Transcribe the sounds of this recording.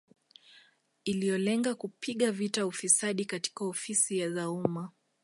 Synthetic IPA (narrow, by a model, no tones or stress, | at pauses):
ilijɔlɛŋɡakupʰiɠavitaufisaɗikati̥kaɔfisijaðauma